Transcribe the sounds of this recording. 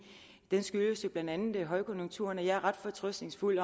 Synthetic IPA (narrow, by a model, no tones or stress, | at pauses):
d̥ensɡ̥yləsjo̝b̥lænd̥ænð̩ˠæɦɒ̽ɪkʰɔ̽njo̝ŋt͡sʰuːɐnɒjɑ̈ɐʁɑ̈d̥fɒ̽t͡sʰʁœsd̥ne̝ŋsful̰ɒ